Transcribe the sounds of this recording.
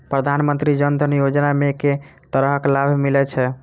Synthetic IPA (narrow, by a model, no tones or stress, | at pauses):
pɾəd̪ʱanmənt̪ɾid͡ʒənd̪ʱənjod͡ʒnameket̪əɾəɦəklabʱmilɛt͡ʃʰɛ